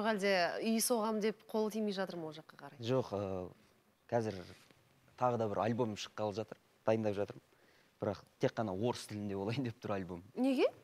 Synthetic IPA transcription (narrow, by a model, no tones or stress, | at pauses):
oʁæld̪e̞ʏjso̞ʁɑmd̪e̞pqʰo̞lˠət̪ʰijmejʒɑt̪əɾməwolˠʒɑqːɑqʰɑɾɑjʒo̞qə | kʲʰæzɪɾ | t̪ʰɑʁəd̪ɑbɪɾɑ̰lbo̞mʃə̥qːɑlˠəpʒɑt̪əɾ | d̪̥ɑjənd̪ɑpʒɑt̪əɾ | b̥ɪɾɑqt̪ʰe̞qːɑnɑwo̞ɾəst̪ʰɪlɪnd̪e̞bo̞lˠɑjnd̪e̞p̚t̪ʰʊɾɑlʲbo̞mne̞ɡʲe